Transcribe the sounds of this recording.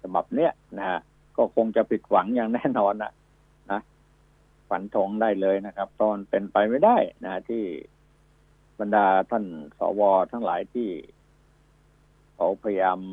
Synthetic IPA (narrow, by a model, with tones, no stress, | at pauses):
sʰa˧ba̰˨˩p̚ni˦˥˩ɐna˦˧˩ha˦˥ʔ | kɔː˥˩kʰo˧ŋt͡ɕa˨˩pʰi˨˩t̪̚wa˩˦ŋjaː˨˩ŋnɛː˥˩nɔː˧nːa̰˧˩ | na˦˥ | fa˨˩˦nt̪ʰo˧˦ŋdaː˥˩jlɤː˧jna˦˥˩kʰa˦˥p̚t̪ɔː˧˩np̪e˧npa˧jma˥˩jda˥˩jna˦˥t̪ʰiː˥˩ | ba˧ndaː˧t̪ʰa˥˩nsɔ̰ː˩˦wɔː˧t̪ʰa˦˥˩ŋla̰ː˩˦jt̪ʰiː˥˩ | kʰa˨˦˥wpʰa˧ja˧jaː˧m